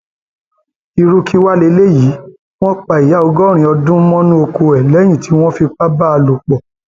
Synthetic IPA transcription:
i˧ɾu˦ki˦wa˦le˧˦le˦ji˨˦ | w̃ɔ̃˦k͡pa˨i˨ja˨˦ɔ˧ɡɔ˦˨ɾ̃ĩ˧ɔ˧dũ˦mɔ̃˦nũ˦o˧ko˧ɛ˨lɛ˨˦j̃ĩ˦˨tʰi˨˦w̃ɔ̃˦fi˧k͡pa˦ba˦a˧lo˨k͡pɔ˨

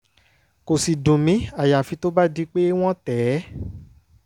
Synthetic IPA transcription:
ko˨si˨dũ˨mĩ˨˦a˨ja˨fi˧˦to˦ba˦di˧˦k͡pe˦w̃ɔ̃˦tɛː˨˦

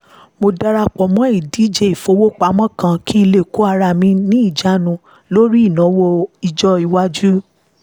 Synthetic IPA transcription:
mo˧da˧ɾa˧k͡pɔ˨mɔ̃˨˦i˦˨di˨˦d͡ʒe˧˨i˨fo˧˦wo˦k͡pa˨˦mɔ̃˦kã˧kʰĩ˦i˧le˦˨ko˨˦a˧ɾa˧˨mĩ˧nĩ˦i˦˨d͡ʒa˨˦nũ˧˦ | lo˦ɾi˦i˦˨nã˨˦wo˧i˧d͡ʒɔ˦i˧wa˦d͡ʒu˦

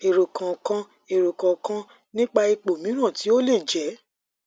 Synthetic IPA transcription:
e˨ɾo˨kʰã˨kã˧ | e˨ɾo˨kã˨kã˧ | nĩ˦k͡pa˧i˧k͡po˨mĩ˨˦ɾ̃ã˦˨ti˨˦o˦le˦˨d͡ʒɛ˨˦

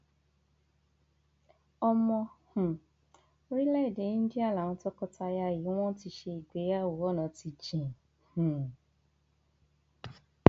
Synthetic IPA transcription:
ɔ˧mɔ̃˧h̩˨ | o˦ɾi˦lɛ˦i˨de˨˦ñ̩˦d͡ʒi˦a˦˨la˨˦ñɔ̃˧˦tɔ˦kɔ˧ta˧ja˧˨ji˨˦w̃ɔ̃˦ti˧˦ʃe˧i˨ɡ͡be˨˦a˦˨wo˨˦wɔ˦nã˨˦ti˧d͡ʒĩ˨ | h̩˨

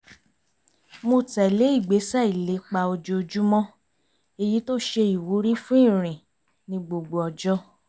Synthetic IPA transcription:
mo˧tɛ˨le˨˦i˦˨ɡ͡be˨˦sa˦˨i˨le˨˦k͡pa˧o˧d͡ʒo˧d͡ʒu˦mɔ̃˦ | e˧ji˨˦to˦ʃe˧i˨wu˨˦ɾi˦fũ˦ĩ˦˨ɾ̃ĩ˨ | nĩ˧ɡ͡bo˨ɡ͡bo˨ɔ˨d͡ʒɔ˦

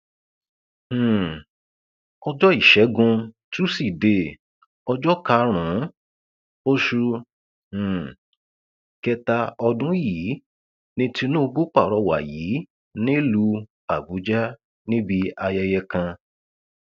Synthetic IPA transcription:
h̩˨ | ɔ˧d͡ʒɔ˦i˦˨ʃɛ˨˦ɡũ˧tu˦si˨de˧˨ | ɔ˧d͡ʒɔ˦ka˧˦ɾ̃ũ˨˦ | o˦ʃu˧ | h̩˨ | kɛ˧ta˧ɔ˧dũ˦ji˨˦ | nĩ˦ti˧nũ˦˧bu˦k͡pa˦˨ɾɔ˧wa̰˨ji˨˦ | nĩ˦lu˧ | a˨bu˨˦d͡ʒa˦ | nĩ˦bi˧a˧jɛ˧jɛ˧kã˧

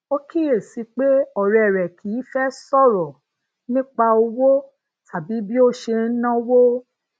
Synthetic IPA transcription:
o˦ki˦˨ɾe˨si˧k͡pe˦ɔ˦˨ɾɛ˨ɛ˨ɾɛ˨kʰi˨˦fɛ˦sɔ˦˨ɾɔ˨ | nĩ˦k͡pa˧o˧wo˦ | tʰa˨bi˨˦bi˦o˦ʃe˧˦nã˦wo˦

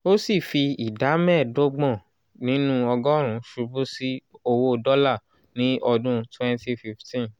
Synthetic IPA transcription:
o˦si˦˨fi˧i˨da˨˦mɛ̃˦˨do˦ɡ͡bɔ̃˦˨ | nĩ˨˦nũ˦ɔ˧ɡɔ˦ɾ̃ũ˨˧ʃu˧bũ˦si˦o˧wo˧dɔ˦la˦˨ | nĩ˨˦ʔɔ˧dũ˦twɛ̃˦nti˧fi˧ftĩ˦˨

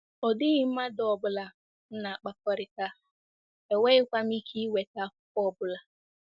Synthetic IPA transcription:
ɔ˨dɪ˦ɣɪ˦m̩˦ma˦dɔ˨bʊ˦la˨ | n̩˦na˨a˨k͡pa˦kɔ˦ɾɪ˨ta˦ | e˨we˦ɪ˦kʷa˦mi˦kʰi˦we˨ta˦ɔ˦˨bʊ˦la˨

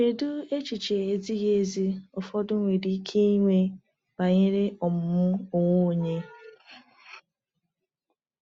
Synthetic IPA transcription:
e˨du˦e˦t͡ʃi˨t͡ʃe˨e˨zi˦ɣe˦zi˦ʊ˨fɔ˦dʊ˦ŋʷe˨di˦kʰe˦i˦ŋʷe˦ | ba˨ɲe˦ɾe˦ɔ˨m̩˨˦mʊ˦o˨ŋʷo˦˨ɲe˦

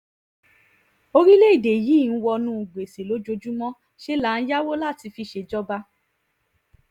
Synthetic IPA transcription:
o˧ɾi˦le˦i˦˨de˨jiː˨˦˨ñ̩˦wɔ˧nũ˦˨ɡ͡be˨se˨lo˨˦d͡ʒo˧d͡ʒu˦mɔ̃˦ | ʃe˦la˦˨n̩˦ja˦wo˦la˦˨ti˧fi˧ʃe˧d͡ʒɔ˦ba˦

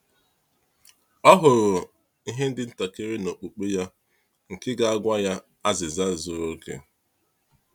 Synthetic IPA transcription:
ɔ˦ɦʊ˨ɾʊ˨ | i˦ɦe˦n̩˦dɪ˨n̩˦ta˨ke˦ɾe˦no˨k͡pu˨k͡pe˦ja˦ | ŋ̩˨kɪ˦ɡa˨a˦ɡʷa˦ja˦ | a˦zɪ˨za˦˨zʊ˨ɾo˦kḛ˨

